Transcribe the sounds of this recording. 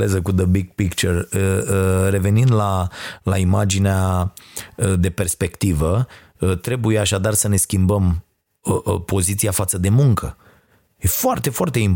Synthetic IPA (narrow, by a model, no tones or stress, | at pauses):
lezəkud̪əbiɡ̚pikt͡ʃərəəre̞ve̞nind̪lalaimad͡ʒinea | əd̪e̞pe̞rspe̞kt̪ivə | t̪ɾe̞bujeaʃad̪arsəne̞skʲimbəm | əpo̞zit̪siafat̪səd̪e̞muŋkə | je̞foart̪e̞foart̪e̞im